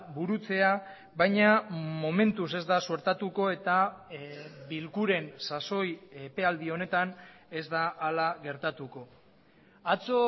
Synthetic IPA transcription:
buɾut͡se̞a | βajɲamo̞me̞nt̪use̞zd̪asueɾt̪at̪uko̞e̞t̪a | bilkuɾe̞nsaso̞jepe̞ald̪io̞ne̞t̪ane̞zd̪aʔːlaɣe̞ɾt̪at̪uko̞ | at͡so

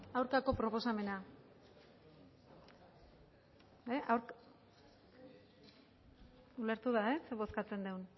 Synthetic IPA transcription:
awɾkako̞pɾo̞po̞same̞na | eʔawɾk | ule̞ɾt̪uðaeseβo̞skat͡se̞nd̪ewn

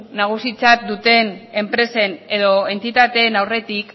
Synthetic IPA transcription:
naɣ̞usit͡sat̪̚d̪ut̪e̞ne̞mpɾe̞se̞ne̞ðo̞e̞nt̪it̪at̪e̞nawre̞t̪ik

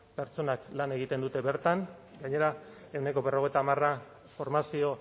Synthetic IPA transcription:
pe̞ɾt͡so̞naklane̞ɣ̞it̪e̞nd̪ut̪e̞βe̞ɾt̪anɡaɲe̞ɾa | e̞wne̞ko̞βe̞ro̞ɣ̞e̞jt̪aːmara | fo̞ɾmasio̞

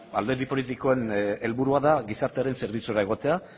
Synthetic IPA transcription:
ald̪e̞ɾðipo̞lit̪ikoene̞lβuɾuaðaɣisaɾt̪eaɾe̞nse̞ɾβ̞it͡sueɾae̞ɣ̞o̞t̪e̞a

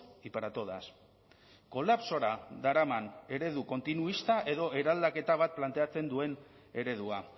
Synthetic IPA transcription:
ipaɾat̪o̞ðas | ko̞lapso̞ɾad̪aɾamane̞ɾe̞ðuko̞nt̪inuist̪aʔe̞ðo̞e̞ɾald̪ake̞t̪aβat̪̚plant̪e̞at͡se̞nd̪ue̞n | e̞ɾe̞ð̞ua

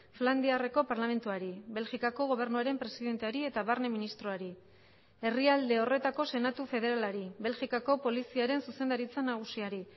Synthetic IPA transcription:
fland̪iare̞ko̞paɾlame̞nt̪uaɾiβe̞lɣikako̞ɣ̞o̞β̞e̞ɾnuaɾe̞mpɾe̞siðe̞nt̪e̞aɾie̞t̪aβaɾne̞minist̪ɾoaɾi | e̞riald̪e̞o̞re̞t̪ako̞se̞nat̪ufe̞ð̞e̞ɾalaɾiβe̞lʝikako̞po̞lisiaɾe̞nsuse̞nd̪aɾit͡sanaɣ̞usiaɾi

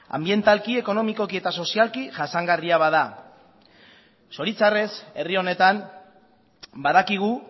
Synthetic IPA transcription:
a̰mbie̞nt̪alkie̞ko̞no̞miko̞kie̞t̪aso̞sialkiʝasaŋɡariaβaða | so̞ɾit͡sare̞se̞rio̞ne̞t̪am | baðakiɣ̞u

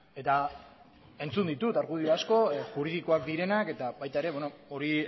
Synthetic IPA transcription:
e̞t̪a | e̞nt͡sund̪it̪ut̪aɾɣuðiasko̞xuɾiðiko̞akd̪iɾe̞nake̞t̪aβajt̪aeɾe̞βwonooɾi

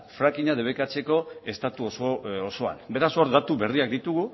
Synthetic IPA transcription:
fɾakiɲað̞e̞β̞ekat͡se̞ko̞e̞st̪at̪uososo̞a̰nbe̞ɾasoɾd̪at̪uβe̞riak̚d̪it̪uɣu

